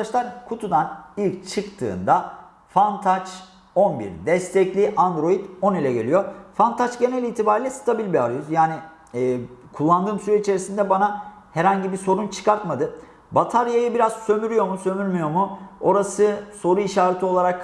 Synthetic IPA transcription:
at͡ʃlˠaɾkʰut̪ʰud̪anilʲct͡ʃʰɯkt̪ʰɯ̰ːnd̪a | fant̪ʰat͡ʃ | o̞nbḭɾd̪ɛst̪ʰɛclʲiʔand̪ɾo̞jid̪o̞nilʲɛɟe̞lʲijo̞fant̪ʰat͡ʃɟe̞nɛlʲiːt̪ʰibaːɾilʲɛst̪ʰabilʲbiaɾjuzjaːnɪ | ɛːkʰulˠːand̪ɯːmsyɾɛit͡ʃʰe̞ɾisind̪ɛbana | hɛɾhaɲɟibiso̞ɾunt͡ʃʰɯ̥kʰaɾt̪mad̪ɯ | bat̪ʰaɾjajɯbiɾaz̥sø̞myɾyjo̞musø̞myɾmyjo̞muo̞ɾasɯso̞ɾuiʃaːɾet̪ʰio̞lˠaɾak

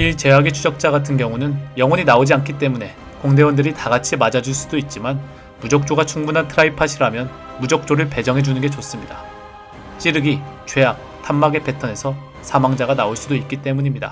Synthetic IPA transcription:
iɭt͡ɕe̞ɦaɡit͡ɕʰud͡ʑʌk̚t͡ɕ͈aɡatʰɯnkjʌŋunɯnjʌŋwʌɲinaod͡ʑiankʰit̬͈e̞mune̞ | koŋde̞wʌndɯɾitaɡat͡ɕʰimad͡ʑad͡ʑuɭs͈udoit̚t͡ɕ͈iman | mud͡ʑʌk̚t͡ɕ͈oɡat͡ɕʰuŋbunɦantʰɯɾaipʰaɕʰiɾamjʌn | mud͡ʑʌk̚t͡ɕ͈oɾɯɭpe̞d͡ʑʌŋɦe̞d͡ʑunɯnɡe̞t͡ɕos͈ɯmɲida | t͡ɕ͈iɾɯɡit͡ɕwe̞ɦak̚ | t͈ʰamːaɡe̞pʰe̞tʰʌne̞sʰʌ | sʰamaŋd͡ʑaɡanaoɭs͈udoit̚k͈it͈e̞muɲimɲida̰

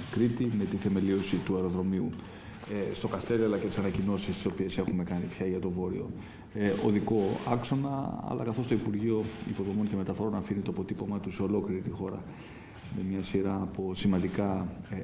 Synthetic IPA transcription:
kɾit̪ime̞t̪iθe̞me̞lio̞sit̪uɐɾo̞ðɾo̞miu | st̪o̞kɐst̪e̞ɾiɐlɐcet̪i̥sɐnɐcino̞sist̪i̥so̞pie̞se̞xume̞kɐnit̪çɐʝɐt̪o̞vo̞ɾḭo̞̰ | oðiko̞ɐ̰kso̞nɐ̰ɐ̰lɐ̰kɐθo̞st̪o̞ipuɾʝio̞ipo̞ðo̞mo̞nce̞me̞t̪ɐfoɾo̞nɐfinit̪oɐpo̞t̪ipo̞mɐt̪useo̞lo̞kliɾit̪ixo̞ɾɐ̰ | me̞mɲɐsiɾɐːposimɐnd̪ikɐ

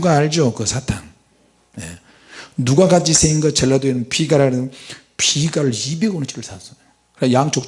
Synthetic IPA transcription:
ɡaːɭd͡ʑokɯsʰatʰaŋ | jḛ | nuɡakat͡ɕʰisʰeinɡʌt͡ɕeɭːadeinɯnpʰiɡaɾaɾɯn | pʰiɡaɾɯɭibeɡont͡ɕʰi̥ɾɯɭsʰasʌo | kɯɾjaŋt͡ɕok̚

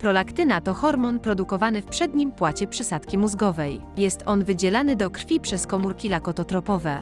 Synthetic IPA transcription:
pɾɔlakt̪ɘnat̪ɔxɔɾmɔnpɾɔd̪ukɔvanɘfpʂɛd̪ɲimpwat͡ɕɛpʂɘsat̪kʲimuzɡɔvɛj | jɛst̪ɔnvɘd͡ʑɛlanɘd̪ɔkɾfʲipʂɛskɔmuɾkʲilakɔt̪ɔt̪ɾɔpɔvɛ

